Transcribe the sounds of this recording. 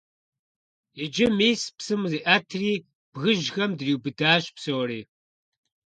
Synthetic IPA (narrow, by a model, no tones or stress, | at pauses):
ed͡ʒɪmeːspsɨmziːʔaːtʰriː | b̥ɣɨʒxɐmdriːwbɨdaːɕpsowɾiː